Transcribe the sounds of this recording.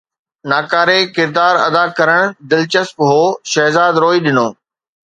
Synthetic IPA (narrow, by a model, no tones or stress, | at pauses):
naːkaːɾekɪɾd̪aːɾɐ̰d̪akɐɾəɽ̃d̪ɪlt͡ɕəspɦoːʃɐɦzaːd̪ɾoːiɗɪnoː